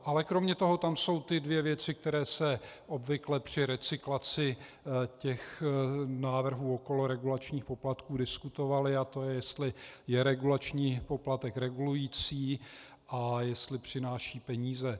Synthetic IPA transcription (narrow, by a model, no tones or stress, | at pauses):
ʔalɛkɾo̞mɲɛt̪o̞ɦo̞t̪amso̞wt̪ɪdvjɛvjɛt͡sɪk̚t̪ɛɾɛːsɛʔo̞bvɪklɛpr̝̥ɪɾɛt͡sɪklat͡sɪ | cɛx | naːvr̩ɦuːo̞ko̞loɾɛɡulat͡ʃɲiːxpo̞plat̪kuːdɪskut̪o̞valɪat̪o̞jɛjɛst̪lɪjɛɾɛɡulat͡ʃɲiːpo̞plat̪ɛkɾɛɡulujiːt͡siː | ʔajɛst̪lɪpr̝̥ɪnaːʃiːpɛɲiːzɛ